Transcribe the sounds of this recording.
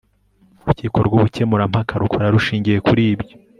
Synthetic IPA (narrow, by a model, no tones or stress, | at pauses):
uɾuciːko̞ɾɡuβuce̞muɾam̥hakʰaɾukʰoɾaɾuʃiːɲɟije̞kuɾiːbɟjo